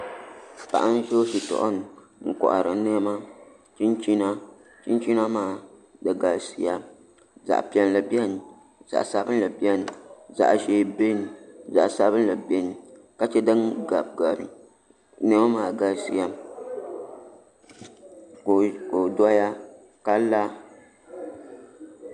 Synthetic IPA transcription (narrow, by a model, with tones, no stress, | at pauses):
pa̰˨ʔa˦n˦ʒo˦ʃi˨tɔ̰˨ʔʊ̰˦nɨ˨ | ŋ̩˨kɔ̰˨ʔa̰˨ɾɨ˨˦nɛ˦ma˦ | t͡ʃi˦nt͡ʃi˦na˦ | t͡ʃi˦nt͡ʃi˦na˦maː˨ | dɨ˨ɡa˨lsi˨ja˦ | za̰˨ʔpi˨ɛ˨n˨la˨bi˦ɛ˦n˨ | z̥a̰˨ʔsa˦bɨ˦n˦la˨bi˦ɛ˦n˨za̰˨ʔʒe˨be˦n˨za̰˨ʔsa˦bɨ˦n˦la˨bɛ˦ni˨ | ka˦t͡ʃɛ˦dɨ˦ŋɡa˨b̚ɡa˨ɾɨ̰˨ | nɛ˦ma˦maː˨ɡa˨lsi˦ja˦ | kko˨dɔ˦ja˦ | ka˦la˦